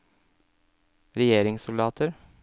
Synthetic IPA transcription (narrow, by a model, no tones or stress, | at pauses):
ɾɛjeːɾɪŋsʊld̪ɑːt̪ʰəɾ